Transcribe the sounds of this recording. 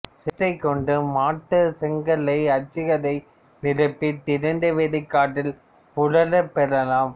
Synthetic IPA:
sɛʈːɐɪkːɔɳɖɯmaːʈːɯsɛŋɡɐlɐɪɐt͡ʃːɪɣɐlɐɪ | nɪɾɐpːit̪ɪɾɯɳɖɐʋeɽɪkːaːʈːɪl | pʊɻɐlɐpːɛɾɐlaːm

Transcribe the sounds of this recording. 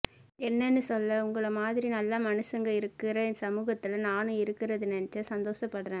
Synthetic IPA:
ɛnːɛnːɯsɔlːɐʊŋɡɐɭɐmaːðɪɾinɐlːɐmɐnɯsɐŋɡɐɪɾɯkːɪɾɐsɐmuːɣɐt̪ːɪlɐnaːnɯ̃ɪɾɯkːɪɾɐðɯnɛnɐt͡ʃːɐsɐnd̪oːsɐpːɐɽɾẽː

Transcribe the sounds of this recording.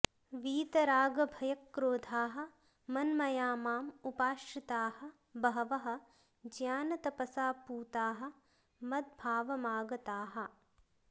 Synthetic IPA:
ʋiːt̪ɐɾaːɡɐbʱɐjɐkːɾoːd̪ʱaːɦɐ̆ | mɐnmɐjaːmaːmupaːʃɾit̪aːhɐ̆ | bɐɦɐʋɐɦɐ̆ | d͡ʒjaːnɐt̪ɐpɐsaːpuːt̪aːɦɐ̆ | mɐd̪̚bʱaːʋɐmaːɡɐt̪aːɦɐ̆

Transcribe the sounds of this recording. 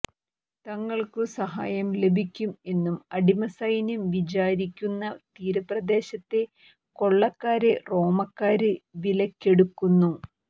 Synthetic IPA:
t̪ɐŋːɐɭkɨsɐɦa̰ːjɐmle̞bʱikʲːume̞nːumɐɽimɐsɐjinumʋit͡ɕaːɾikʲːunːɐt̪iːɾɐprɐd̪e̞ːɕɐt̪ːe̞ | ko̞ɭːɐkːaːɾero̞ːmɐkːaːɾɨʋilɐkʲːe̞ɽukːunːu

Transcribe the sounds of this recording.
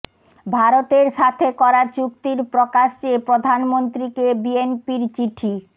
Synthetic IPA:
bʱaɾot̪eɾʃat̪ʰekɔɾat͡ɕuk̚t̪iɾpɾokaʃt͡ɕepɾod̪ʱanmont̪ɾikebienpiɾt͡ɕiʈʰi

